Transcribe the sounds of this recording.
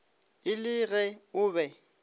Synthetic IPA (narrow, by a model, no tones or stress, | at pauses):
ɪlɪɣɛʊːbɛ